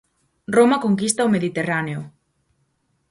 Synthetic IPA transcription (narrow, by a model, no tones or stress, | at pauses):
romakoŋkist̪aomeðit̪eraneʊ